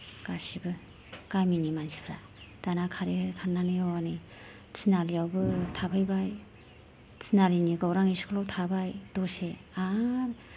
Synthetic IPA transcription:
kasibɯ | kajminimansi̥pʰɾa | tanakʰaɾeɯkʰaɾnanɯjɔwanɯ | t͡sinaɾijawbɯtʰapʰɯjbaj | t͡sinaɾiniɡawɾaŋisi̥kʰlɔwtʰabajdɔseaɾ

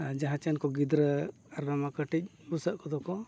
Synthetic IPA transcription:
d͡ʒaɦãt͡ʃɛnkɔɡid̪ɾə | aɾbamakəʈic̚ | busəʔkʰɔd̪ɔkɔ

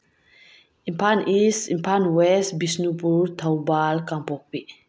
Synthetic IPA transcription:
ʔimpʰanisḭmpʰanwɛsbisnupuɾt̪ʰawbalkampok̚pi

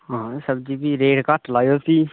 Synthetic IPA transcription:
ɦãːsəbd͡ʒiːbʱiːɾeːɾkəʈʰlaːjoːsiː

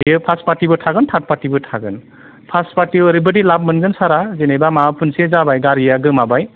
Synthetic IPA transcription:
jɯpʰaspatibɯtʰaɡɯntʰat̚patibɯtʰaɡɯn | pʰaspatiəɾibɯdilab̚mɯnɡɯnsaɾazenejbamapʰunsezabajɡaɾijaɡɯmabaj

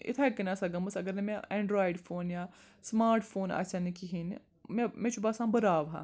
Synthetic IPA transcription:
ɪ̰t̪ʰɛkɐnasɐɡɐmɐsɐɡəɾnemɛ̃ɛ̃ːɳɖɾaːɪɖpʰoːnjaː | smaːɾʈpʰoːna̰ːsanikiɦin | mɛ̃mẽːt͡ʃʰubasãːbɐɾaːʋɦã̰ː

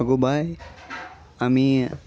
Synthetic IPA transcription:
ɡobʱaj | ami

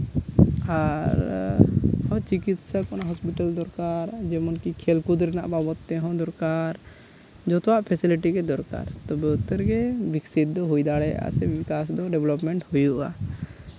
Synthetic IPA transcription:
aɾ | hɔ̃t͡ʃikit̪sakɔnaʔɦɔspiʈald̪ɔɾkaɾd͡ʒɛmɔnkikʰɛlkud̪ɾɛna̰ʔbabɔt̪ːɛɦɔ̃d̪ɔɾkaɾ | d͡ʒɔt̪ɔwaʔpʰɛsiliʈikɛd̪ɔɾka̰ɾt̪ɔbɛut̪ːəɾɡɛbiksit̪̚d̪ɔɦujd̪aɽɛa̰sɛbikasd̪ɔɖɛblɔpmɛɳʈhujuʔa̰

